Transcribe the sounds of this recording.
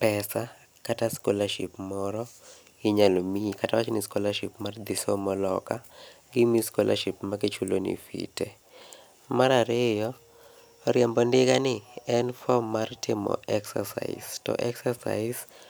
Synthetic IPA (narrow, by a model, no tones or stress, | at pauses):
pɛsa | kataskɔlaʃḭpmɔɾɔ | ɪɲalomikatawat͡ʃɔnɪskɔlaʃipmard̪ɪsɔmɔlɔka | ɡɪmiskɔlʔa̰ʃipmaɡit͡ʃulonḭfḭte | maɾaɾɪjɔ | ɾɪɛmbɔndɪɡanɪɛnfɔmːartɪmɔ̰ɛksa̰sa̰ɪ̰stɔ̰ʔɛksasa̰ɪs